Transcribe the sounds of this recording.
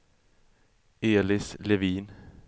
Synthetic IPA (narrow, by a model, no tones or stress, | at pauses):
eːlɪsleʋiːn